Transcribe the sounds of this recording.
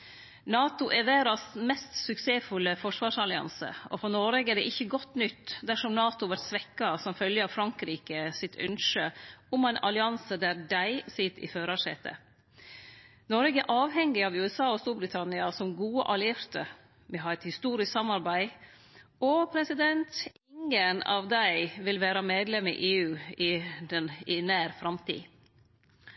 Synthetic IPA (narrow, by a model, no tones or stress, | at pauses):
nɑːt̪ʊʔɛʋæːɾɑsmɛst̪sʉkseːfʉlːəfɔʂʋɑːʂɑlɪɑ̰nsə̰ɔ̰fɔɾnɔɾɛɡɛɖ̪ɛʔɪçːəɡɔt̪ːnʏt̪ːd̪æʂɔmnɑːt̪ʊʋæɾt̪sʋɛkːɑsɔmfœljəɑʋfɾɑŋkɾiːkəsɪt̪ʰʉ̰nʂəʊmæɪnʔɑ̰lɪɑnsəd̪æɾdæɪsɪt̪ʰːɪ̰føːɾɑʂḛːt̪ə̰ | nɔɾɡəʔɑːʋhɛŋːɪɑʋʉːɛsɑːɔst̪uːɾbɾɪt̪ʰɑnɪɑsɔmɡuːə̰ʔɑlɪɪɾt̪ə̰ | mɛɦɑːɾɛt̪hɪst̪uːɾɪssɑmɑɾbæɪ | ɔpʰɾɛsɪd̪ɛnt̪ | ɪŋənɑ̰ʋd̪æɪʋɪlʋæːɾɑmeːd̪lɛmːḭːʔeːʉːɪɛnɪnæːɾfɾɑmt̪ʰḭː